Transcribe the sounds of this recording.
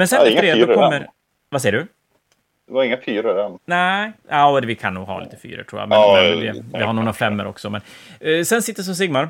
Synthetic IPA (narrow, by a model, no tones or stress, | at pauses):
mɛnsɛnɾeɔmːəɾ | vasɛːjːəɖɵ | dvaɾɪŋːafʰyːɾədɛnnæʔaʊɛvɪkʰanːṵːɡɦɑ̰ːlḭːt̪ə̥fy̰ːɾə̰ʈʰɾuːja̰mɛnd̪ɪvɪhaɾɳuːɾafɛmːəɾɔ̰ksɔmɛnsɛnsɪt̪ːəs̬ɔms̬ɪɡmaɾ